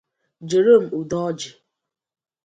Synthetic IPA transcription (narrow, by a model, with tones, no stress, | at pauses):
d͡ʒe˨ɾo˦˨m̩˨u˨dɔ˦d͡ʒɪ˨